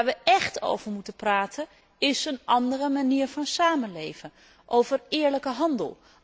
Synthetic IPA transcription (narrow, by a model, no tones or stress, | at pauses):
ɹʋəʔɛχto̰wv̥əɹmutənpraːtʰən | ɪsənʔɑndərəmaniːɹvɑnsaːmənlejvən | ʔowvərɪːɹləkəɦɑndə̰lˠ